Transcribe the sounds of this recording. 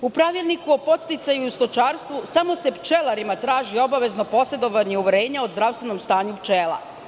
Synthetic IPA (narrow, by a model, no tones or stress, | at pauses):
upɾaʋilˠnikuo̞po̞t̪st̪it̪sajuust̪o̞t͡ʃaːɾst̪ʋusamo̞se̞pt͡ʃe̞laɾimat̪ɾaːʒio̞baʋe̞zno̞po̞se̞d̪o̞ʋaɲiuʋɾe̞ːɲaozd̪ɾaʋst̪ʋe̞no̞mst̪aːɲupt͡ʃeːlˠa̰